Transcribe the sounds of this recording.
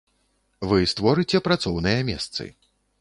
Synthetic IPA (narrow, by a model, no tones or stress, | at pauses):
vɨst̪vɔɾɨt͡sʲɛpɾat̪sɔwnɨjɐmʲɛ̰st̪sɨ̰